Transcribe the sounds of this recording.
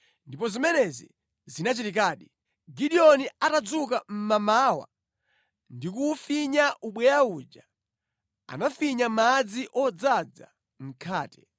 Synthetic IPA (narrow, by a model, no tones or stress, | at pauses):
ndipɔzimɛnɛzi | zinat͡ʃitikaːɗi | ɡiɗiɔniatad͡zukam̩mamawa̰ | ndikufiɲaʔuɓwɛjaud͡ʒa | a̰nafiɲamad͡ziʔɔd͡zad͡za̰ | m̩kʰaːtɛ̥